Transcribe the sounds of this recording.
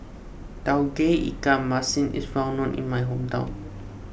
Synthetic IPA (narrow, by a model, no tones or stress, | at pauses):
tawɡeḭkamːasĩnḭsɹãw̃nɔ̃nʔḭ̃nmajɦõmtã̰w̃n